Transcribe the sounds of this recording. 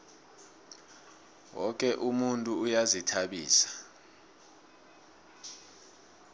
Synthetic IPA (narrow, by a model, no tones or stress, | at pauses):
wɔk̬ʼɛʔumuntʼuːjazitʰaɓiːsḁ